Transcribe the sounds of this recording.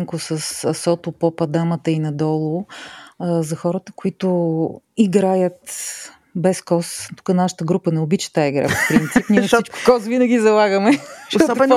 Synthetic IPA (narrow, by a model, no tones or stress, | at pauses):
ŋkʊsəssɔt̪ʊpopɐd̪amət̪əinɐd̪ɔlˠʊ | zɐxɔɾət̪ə̥kʊit̪ʊiɡɾajət̪ | bɛskɔst̪u̥kənaʃə̥t̪əɡɾupənɛʊbit͡ʃə̥t̪aiɡɾa̰po̥pɾint̪sipniɛnfit͡ʃkʊ̥kɔsvinɐɡʲizɐlˠaɡəmɛʃt̪ɔɔ